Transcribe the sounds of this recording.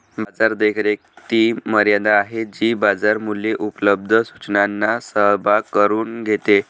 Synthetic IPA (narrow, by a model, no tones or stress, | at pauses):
bad͡zaɾd̪ekʰɾek̚t̪iːməɾjad̪aːɦed͡ʑiːbad͡zaɾmuleʔupələb̚d̪ʱəsu̥t͡ɕnanːasəɦbʱakəɾuːnɡʱet̪e